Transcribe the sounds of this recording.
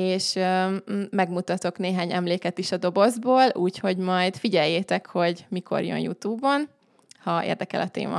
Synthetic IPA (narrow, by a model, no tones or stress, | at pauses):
eːʃ | mɛɡmut̪ɒt̪o̞kneːɦaːɲɛ̰mleːkɛt̪iʃɒd̪o̞bo̞zboːluːcho̞ɟmɒjd̪fiɟɛjːeːt̪ɛkho̞ɟmikʰo̞̰rjø̰njṵt̪uːbːon | hɒḛːrd̪ɛkɛ̰lʔɒt̪ḛːmɒ̰